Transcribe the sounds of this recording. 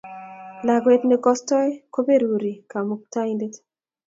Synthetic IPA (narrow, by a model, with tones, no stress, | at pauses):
la˨ɡwe˦tnɪ˦kɔ˦stɔ˦jko˦pe˦ɾu˨ɾi˨ka˨mu˨k̚ta˦inde˦t